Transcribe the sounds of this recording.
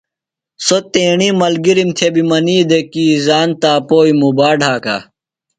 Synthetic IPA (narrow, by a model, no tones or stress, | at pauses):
sot̪ẽːɳimɐlɡiɾimt̪ʰjɐbimɐniːd̪ekiːzaːnt̪aːpoːimubaːɖʱaːka̰ː